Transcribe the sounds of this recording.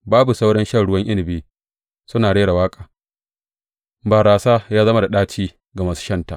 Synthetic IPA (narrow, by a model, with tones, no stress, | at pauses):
baː˦bu˨sa˦wɽɐ˦nʃɐ˦˨ɽʊ˦wɐ˦ŋʔɪ˦lɪ˨biː˦ | sʊ˦naː˨ɽeː˦ɽa˨waː˦kʼaː˨ | baː˨ɾaː˨saː˦jaː˦zɐ˦ma˨da˨ɗaː˦t͡ʃiː˦ | ɡa˨mɐ˦su̥˦ʃɐ˦nta˨ʔ